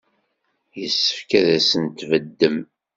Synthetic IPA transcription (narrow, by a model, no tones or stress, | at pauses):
jəsːə̥fkæðæsənt̪vəd̪ːəm